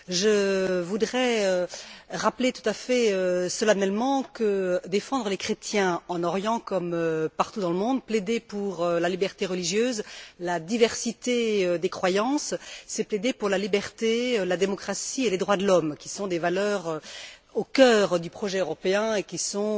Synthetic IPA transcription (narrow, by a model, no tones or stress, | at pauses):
ʒəvud̪ʁɛøʁaplet̪u̥t̪afɛøsəlanɛlmɑ̃kəd̪efɑ̃d̪ʁəlekχet̪jɛ̃ɑ̃nɔʁjɑ̃kɔmøpaʁt̪ud̪ɑ̃ləmɔ̃d̪̚pled̪epuʁølalibɛʁt̪eʁəliʒjøːzlad̪ivɛʁsit̪eød̪ekχwajɑ̃ssɛpled̪epuʁlalibɛʁt̪elad̪emɔkχasieled̪ʁwad̪əlɔmkʲi̥sɔ̃d̪evalœːʁøokʲœːʁd̪ypχɔʒɛøʁɔpeɛ̃ekʲisɔ̃